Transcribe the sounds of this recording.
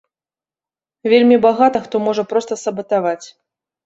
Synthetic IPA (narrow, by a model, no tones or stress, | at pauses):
vʲelʲmʲibaɣat̪ɐxt̪ɔmɔʐɐpɾɔst̪ɐsɐbɐt̪avat͡sʲ